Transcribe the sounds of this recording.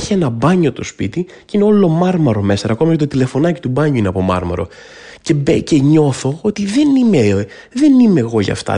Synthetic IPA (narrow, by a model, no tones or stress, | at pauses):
çie̞nɐbɐɲo̞t̪o̞spḭt̪i | cine̞o̞lo̞mɐɾmɐɾo̞me̞sɐɾɐko̞mɐjɐt̪ot̪ile̞fo̞nɐcit̪ubɐɲuineɐpo̞mɐ̰ɾmɐ̰ɾo̞̰ | ce̞beceɲo̞θo̞o̞t̪iðe̞nime | ðenime̞ɣo̞ʝɐ̰ft̪ɐ̰